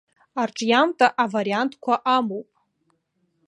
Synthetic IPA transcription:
arʈ͡ʂʼjamtʼaʔavaɾiantʰkʷʰaʔamowpʼ

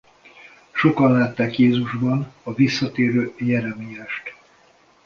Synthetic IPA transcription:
ʃo̞kɒnlaːt̪ːaːkjeːzuʒbɒnɒvisːɒt̪eːɾøːjɛɾɛmijaːʃt̪

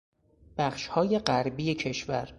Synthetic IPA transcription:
b̥æχʃhɒːje̞ɢæɾbiːecʰe̞ʃvæ̰ɾ

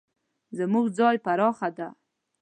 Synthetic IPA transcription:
zəmuɡd͡zɑjpaɾɑxad̪a

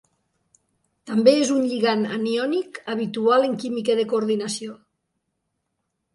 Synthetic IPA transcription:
t̪ambeezunʎiɣana̰niɔnikaβ̞it̪ualeŋkimikeðekoːɾð̞inasio

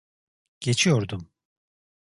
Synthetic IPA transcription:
ɟ̥e̞t͡ʃʰijo̞ɾd̪um

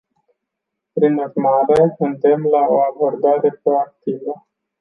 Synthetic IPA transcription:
pɾinurmaɾekɨnd̪e̞mlaoabo̞rd̪aɾe̞pɾo̞ak̚t̪ivə

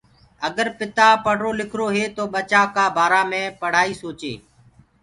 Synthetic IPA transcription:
əɠəɾpɪt̪aːpəɽ̤ɾoːlɪkʰɾoːɦeːt̪oːɓət͡ʃaːkaːbʱaːɾaːmẽːpəɽ̤aːiːsoːt͡ʃḛː

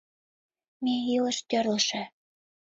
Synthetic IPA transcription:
mejilə̆ʃt̪ʲø̆rlə̆ʃĕ

